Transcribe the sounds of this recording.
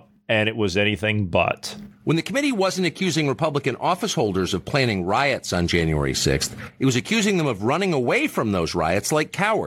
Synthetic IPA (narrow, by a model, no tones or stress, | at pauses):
ɨ̃nɨt̚wʌzɛniθɪ̃ŋbʌ̰twʔə̃nðɨkʰəmɪɾiwʌz̃n̩tɨkʰj̥ʉzɪ̃ŋɹɨpʰʌbləkɨ̃nʔɔfəshoʊlˠdə˞zʌv̥pʰl̥æ̃ɾ̃ɪ̃ŋɹaɪɨtsn̩d͡ʒæ̃njʉɛ̰ɹḭsɪ̰ksθɨt̚wʌzɨkʰj̥ʉzɪ̃ŋðɨ̃mʌvɹʌnɪ̃ŋəweɪfɹʌ̃mðoʊzɹa̰ɪɨtslaɪkʰaʊə̰˞d̥